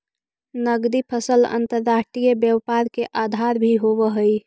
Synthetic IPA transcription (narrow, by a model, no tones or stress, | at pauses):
nəɡd̪ipʰəsələ̰nt̪əɾːaʂʈɾijəbjəʋpaɾkeʔad̪ʱaɾbʱiɦobəɦəi